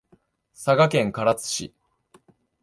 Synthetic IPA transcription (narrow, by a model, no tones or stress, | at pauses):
saɡakẽ̞ŋkaɾat͡sɨ̥ɕḭ